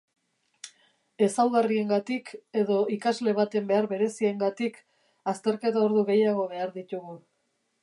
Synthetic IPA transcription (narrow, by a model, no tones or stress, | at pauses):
e̞sawɣarie̞ŋɡat̪ike̞ðo̞ikazle̞β̞at̪e̞mbe̞aɾβe̞ɾe̞sieŋɡat̪ik | ast̪e̞ɾke̞t̪ao̞ɾðuɣe̞jaɣ̞o̞β̞e̞aɾðit̪uɣu